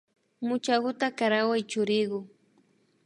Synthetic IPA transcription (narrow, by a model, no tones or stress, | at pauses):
mʊt͡ʃaɢʊt̪akaɾawajt͡ʃʊɾɪɢʊ